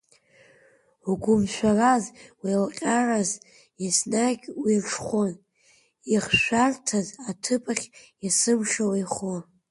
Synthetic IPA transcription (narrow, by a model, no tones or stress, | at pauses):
uɡʷʊmʃʷᶣarazwilqʲʼaraz | isnaɡʲwiʈ͡ʂʰχʷon | iχʃʷᶣartʰazatʰɨpʰʼaχʲjasɨmʃawajχo